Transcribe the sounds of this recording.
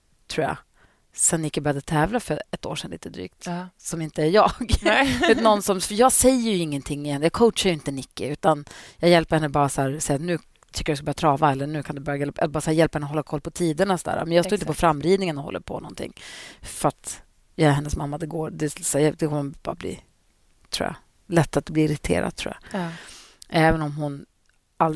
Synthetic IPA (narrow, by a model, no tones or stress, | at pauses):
t̪ʰɾuːja̰ | sɛnːɪkːɪbœhjad̪ət̪ʰɛːvlafœɾɛt̪ːo̰ːʂɛnlḭːt̪əd̪ɾy̰ːk̚t̪sɔmɪnt̪əæjɑːɡt̪nɔnsɔmfjɑːɡsɛjːəjɵɪŋːənt̪ʰɪŋːɪjɛnːjɑːɡkʰowt̪aɾjɵɪnt̪ənɪkːɪʉ̟ːt̪anjɑːɡjɛlpəɾhɛnəbɑːɾasæːɾsɛjːat̪nʉ̟ː | t̪ʰʏkːəɾjaskbːɾat̪ʰɾɑːvaɛlːəɳʉ̟ːkʰand̪ɵbɑːɾjajɛlːɛ̰bɑɾasahæːɾjɛlpahɛnːɔhɔlːakʰɔlːpɔt̪ʰiːd̪əɳasɔd̪æ̰ːɾa̰mɛnjɑɡst̪oːɪt̪əpɔfɾamːɾiːd̪nɪŋənɔhɔ̰lːə̰pʰɔ̰nɔ̰nt̪ʰɪ̰ŋːfɾat̪ | jɑæɾɦɛnːəsmamːad̪ɛɡoːɾd̪ɛsæːjɑd̪ɛkʰɔmbɑ̰ːɾablḭː | t̪ʰɾṵːja̰ | lɛt̪ːat̪̚bliːɪɾɪt̪ʰḛːɾa̰d̪̚t̪ʰɾṵːja̰ | ʔɛːvənɔmɦʊn | ʔal